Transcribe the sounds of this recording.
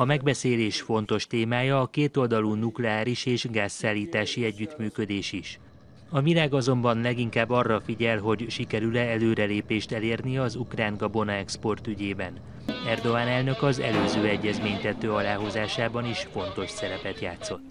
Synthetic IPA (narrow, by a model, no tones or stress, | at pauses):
ɒmɛɡbɛseːleːʃfo̞n̪t̪o̞ʃt̪eːmaːjɒːkeːt̪o̞ld̪ɒluːnuklɛaːɾiʃeːʒɡaːsːaːlːiːt̪aːʃiɛɟːyt̪myːkø̞d̪eːʃiʃ | ɒvilaːɡɒzo̞mbɒnlɛɡiŋkaːbːɒrːɒfiɟɛlɦo̞ɟʃikɛɾylɛɛløːɾɛleːpeːʃt̪ɛleːrniɒzukraːŋɡɒbo̞nɒɛkspo̞rt̪yɟeːbɛn | ɛrd̪o̞aːnɛlnø̞kɒzɛ̰løːzøːɛɟːɛzmeːɲt̪ɛt̪ːøːɒlaːɦo̞zaːʃaːbɒniʃfo̞nt̪o̞ʃsɛɾɛpɛt̪jaːt̪so̞t̪ː